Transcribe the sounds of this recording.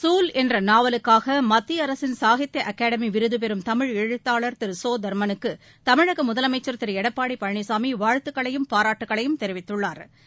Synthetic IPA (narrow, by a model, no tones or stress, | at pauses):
suːlɛndrɐnaːʋɐlɯkːaːɣɐmɐt̪ːiɐɾɐsɪnsaːɣɪt̪ːɐʔɐkːaːɽɐmiʋɪɾɯðɯp̬ɛɾɯmt̪ɐmɪɻɛɻɯt̪ːaːɭɐɾt̪ɪɾsoːd̪ɐɾmɐnɯkːɯ | t̪ɐmɪɻɐɣɐmʊðɐlɐmɐɪt͡ʃːɐɾt̪ɪɾɛɽɐpːaːɽipɐɻɳisaːmiʋaːɻt̪ɯkːɐɭɐjɯmpaːɾaːʈːɯkːɐɭɐjɯmt̪ɛɾɪʋɪt̪ːɯɭːaːɾ